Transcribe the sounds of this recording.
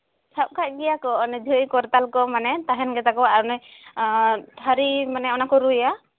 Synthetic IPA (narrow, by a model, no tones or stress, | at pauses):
t͡ʃʰap̚kʰac̚ɡɛjakɔnid̪ʱujkɔɾt̪alkɔmanɛt̪aɦɛnɡɛt̪akɔaɾnɔj | t̪ʰaɾimanɛɔnakɔɾujja